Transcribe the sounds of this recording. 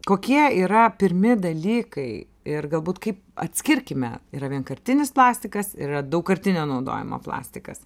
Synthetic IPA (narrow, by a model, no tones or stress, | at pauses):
koːkʲiɛiːɾɐpʲɪɾʲmʲɪd̪ɐlʲiːkɐɪ | ɪrɡɐlˠbuːt̪kɐɪp̚ɐ̰t̪ʲsʲkʲɪɾʲkʲɪmʲɛ̰iːɾɐʋʲiɛnkɐɾʲt̪ʲɪnʲɪsplˠɑːsʲt̪ʲɪkɐsɪ̰irɐd̪ɐʊkkɐɾʲt̪ʲɪnʲoːnɐʊd̪o̰ːjɪ̰mo̰ːplˠɑ̰ːsʲt̪ʲɪkɐs